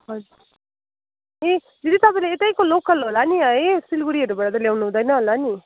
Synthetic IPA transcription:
ɦʌd͡zu | ẽ | d͡zʌt̪it̪ʌpaĩleeʈ̪ajkolokʌlɦolaniʌesilbuɾiɦʌɾubaɽad̪ʌljawnuɦũd̪ʌjnʌɦolani

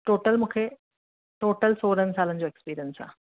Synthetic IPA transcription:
ʈoːʈəlmuːkʰe | ʈoːʈəlsoːɾənsaːlənd͡ʑoekspiːɾijənsã̰ː

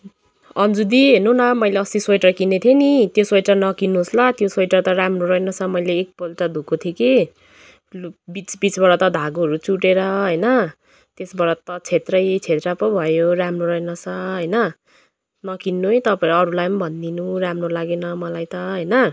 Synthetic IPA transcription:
ʌnd͡zud̪iɦenunʌmʌjleʌsiswojʈrʌkinːet̪ʰjenit̪joswʌjʈʌnʌkinːuɦslat̪joswʌjʈʌt̪ʌɾamroɾʌenʌt͡sʰʌmʌjleːk̚polʈʌd̪ʱukot̪ʰjeki | bit͡sbit͡sbʌɾʌt̪ʌd̪ʱaɡoɦʌɾut͡suʈeɾʌɦʌjnʌ | t̪esbʌɾʌt̪ʌt͡sʰet̪rʌjt͡sʰet̪rʌpʌbʱʌjoramroɾʌenʌt͡sʰʌɦʌjnʌ | nʌkinːuĩt̪ʌpaẽɾʌɾulajnbʱʌnd̪inuramrolaɡenʌmʌlajt̪ʌɦʌjnʌ

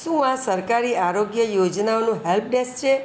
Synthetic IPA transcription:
sumãsəɾkaɾiaɾoɡjəjod͡ʒnaonũɦɛlp̚ɖest͡ʃʰe

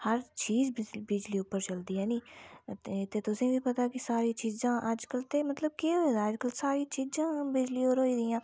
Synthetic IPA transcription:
həɾt͡ʃiːzbɪd͡ʒliːʊpːəɾt͡ʃəld̪iːɛːniː | t̪eːt̪ʊsĩːʋiːpət̪aːkɪsaːɾiːt͡ʃiːzãːʔəd͡ʒkəlt̪eːmət̪ləb̚keɦoːed̪aːəd͡ʒkəlsaːɾiːt͡ʃiːzãːbɪd͡ʒliːoːɾɦoːiːd̪ɪjãː

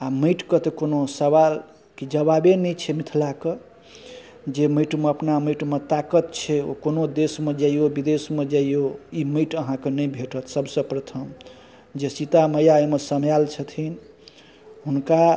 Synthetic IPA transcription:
aməɪʈkət̪ekonosəβal | kid͡ʒəbabenət͡ʃʰɛmit̪ʰlake | d͡ʒeməjʈmeəpnaməʈmet̪akət̪t͡ʃʰɛo̰konod̪esmed͡ʒaijobid̪esmed͡ʒaijoiməɪʈəɦãkenəjbʱeʈət̪ʰsəbsə̃pɾət̪ʰəm | d͡ʒesit̪aməjaemesəmjalt͡ʃʰət̪ʰin | ɦunka

